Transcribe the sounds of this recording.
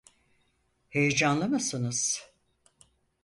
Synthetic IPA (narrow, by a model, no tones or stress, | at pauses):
he̞jed͡ʒanlˠamasɯnɯz̥